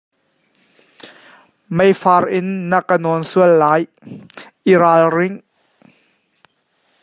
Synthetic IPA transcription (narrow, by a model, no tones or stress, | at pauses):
mejfaːrʔɪnːəkənɔnsuəlːaːj | ʔiɾaːlrɪŋ